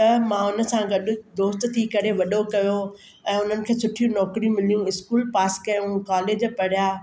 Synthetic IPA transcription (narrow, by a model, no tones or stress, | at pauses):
t̪ɐmãːʊnə̆sãɡɐɗʊ̆d̪oːst̪t̪ʰikɐɾeʋɐɗokɐjo | ɛ̃ːʊn̤ənɪ̆kʰeːsʊʈʰijũnɔːkɾiũmɪlijũɪskuːlpaːskɐjũkaːleːd͡ʑpɐɽ̤ijaː